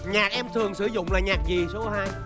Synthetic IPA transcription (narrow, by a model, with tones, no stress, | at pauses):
ɲaː˨˩k̚ʔɛ˧mt̪ʰɨ˨˩əŋsɨ˨˧˩zʊ̰˧˨ŋ͡mlaː˨˩ɲaː˨˩k̚zi˨˩so˨˦kɔ˨˦haː˧j